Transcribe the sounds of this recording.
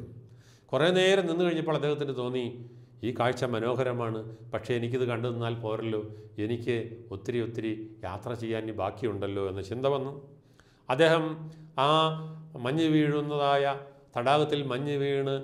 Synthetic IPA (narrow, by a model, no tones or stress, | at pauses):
kure̞ːneːɾɐmninːɨkɐɻiɲːɐpːoːɭɐd̪ːeɦhɐt̪ːindɨt̪o̞ːnːi | iːkaːɻt͡ɕːɐmɐno̞ːɦɐɾɐmaːɳɨpɐkʂe̞enikʲːiðɨkɐɳɖɨðɨnːaːlpo̞ːɾɐlːo̞ːe̞nikʲːɨo̞t̪ːiɾio̞t̪ːiɾija̰ːt̪rɐt͡ɕe̞jːaːnibʱaːkːijuɳɖɐlːo̞ːe̞nːɐt͡ɕind̪ɐʋɐnːu | ɐd̪ːe̞ːɦɐmaːmɐɲːɨʋiːɻunːɐðaːjɐt̪ɐɽaːɣɐt̪ːilmɐɲːɨʋiːɳɨ